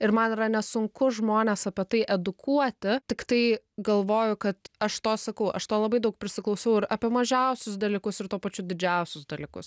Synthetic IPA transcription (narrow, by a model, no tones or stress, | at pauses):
ɪɾmɐniɾɐnʲɛsʊŋkʊʒmoːnʲeːsɐpʲɛt̪ɐɪʔɛd̪ʊkʰuɔt̪ʲɪt̪ʲɪkt̪ɐɪ | ɡɐlˠʋoːjʊkɐt̪ɐʃt̪oːsɐkɐʊʔɐ̰ʃt̪oːlˠɐbɐɪd̪ɐʊk̚pʲɾʲɪsʲɪklˠɐʊsʲɐʊɪɾɐpʲiɛmɐʒʲɛˑʊsʲʊs̬d̪ɐlʲikʊsɪɾt̪uːpɐt͡ʃʲʊd̪ʲɪd͡ʒʲɛʊsʲʊsd̪ɐlʲikʊs